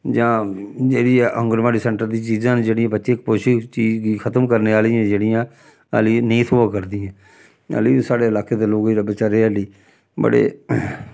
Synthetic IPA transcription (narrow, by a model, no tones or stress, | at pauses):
d͡ʒãːd͡ʒeːɽiːɛʔə̃ŋɡəɾʋaːɽiːsɛ̃ːɳʈəɾd̪iːt͡ʃiːzãːnːd͡ʒeːɽiãːbətːʃeːkpoːʃit͡ʃiːzɡiːkʰət̪əmkəɾneːaːliːɛ̃ːd͡ʒeːɽijãː | əliːnəĩːt̪ʰoːbaːkəɾd̪iːãː | ə̰liːsaːɽeːəlaːkeːd̪eːloːɡiɾəbət͡ʃaɾeːəliː | bə̰ɽḛː